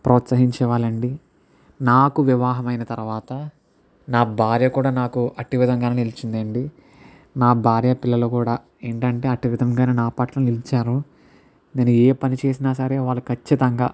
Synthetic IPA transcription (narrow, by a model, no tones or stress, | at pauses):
pɾɔːt̪sɐɦiɲt͡ʃɛːʋaːlɐɳɖi | naːkuʋiʋaːɦɐmɐjnɐt̪ɐɾʋaːt̪ɐ | naːbʱaːɾjɐkuːɽaːnaːkuɐʈiʋid̪ʱɐŋɡaːnenilit͡ʃind̪ɐɳɖi | naːbʱaːɾjɐpilːɐloːkuːɽaː | eːɳʈɐɳʈe̞ːɐʈiʋid̪ʱɐmɡaːneːnaːpɐʈlɐnilit͡ʃaːɾu | neːnːueːpɐnit͡ʃe̞ːs̬inaːs̬ɐɾeːʋaːɭːukʰɐt͡ʃːit̪ɐŋɡa̰ː